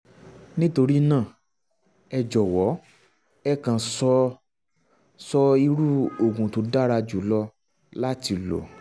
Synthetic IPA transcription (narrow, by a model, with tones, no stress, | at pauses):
nĩ˦to˧ɾi˦nãː˦˨ | ɛ˧d͡ʒɔ˨wɔ˨˦ | ɛ˦kã˧sɔ˦ | sɔ˦i˧ɾu˦o˨ɡũ˨to˨˦da˦ɾa˧d͡ʒu˨˦lɔ˧ | la˦ti˧lo̰˨